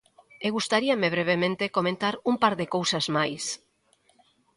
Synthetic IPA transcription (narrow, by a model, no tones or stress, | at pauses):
eɣust̪aɾiameβ̞ɾeβ̞emẽnt̪ekomẽnt̪aɾumpaɾðekowsazmajs